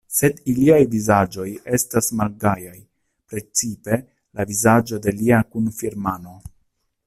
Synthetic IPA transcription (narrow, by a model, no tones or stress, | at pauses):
se̞diliajvizad͡ʒo̞je̞stasmalɡajaj | pɾe̞t͡sipe̞ | lavizad͡ʒo̞de̞liakunfiɾmano̞